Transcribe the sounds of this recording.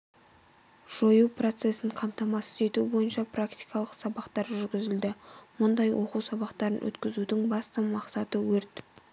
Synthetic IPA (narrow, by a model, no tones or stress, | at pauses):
ʒ̥o̞juwpro̞t̪se̞sɪɴqʰɑmt̪ɑmɑsɪze̞t̪ubo̞jənʃɑprak̚t̪ijkɑlˠəqsɑbɑqt̪ɑɾʒʏɾɡʲɪzɪld̪ɪmʊnd̪ɑjwʔo̞quwsɑbɑqt̪ɑɾənwɵ̰t̪kʲɪzud̪ɪŋbɑst̪əmɑqsɑt̪əwɵɾt̪